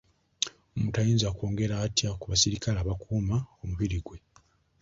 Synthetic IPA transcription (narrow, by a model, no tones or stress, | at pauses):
omutajiːnzakoːŋɡe̞ɾaːtjakuβasiɾikalaːβakuːmao̞muβiɾiɡwe̞